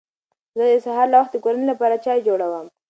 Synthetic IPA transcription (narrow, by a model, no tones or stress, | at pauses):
zəd̪əsaɦɑɾlawaxt̪d̪əkoɾanelapɑɾat͡ʃɑjd͡ʒoɽawəm